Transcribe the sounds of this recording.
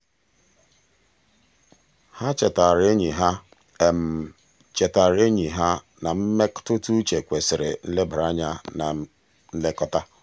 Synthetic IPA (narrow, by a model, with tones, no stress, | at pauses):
ha˦t͡ʃe˨ta˨ɾe˦ɲi˨ɦa˦ | e˨m̩˨ | t͡ʃe˨ta˨ɾe˦ɲi˨ɦa˦ | na˨m̩˦me˦ktʊ˦tu˦t͡ʃe˨kʷe˨sɪ˨ɾɪ̰˨n̩˦le˦bʊ˨ɾa˦ɲa˦na˨ | n̩˦le˦kɔ˦ta˦